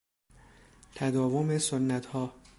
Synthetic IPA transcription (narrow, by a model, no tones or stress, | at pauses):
t̪ʰæd̪ɒːvomesonːæt̪ʰhɒː